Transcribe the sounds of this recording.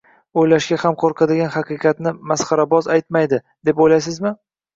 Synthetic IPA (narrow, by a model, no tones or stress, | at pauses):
ojlaʃɡʲahamqʰoɾqʰɑd̪ɪɡʲanhɑqɨqʰɑt̪nɪmasχɑɾabɒzajt̪majd̪ɪ | d̪e̞pojlajs̬ɪzmɪ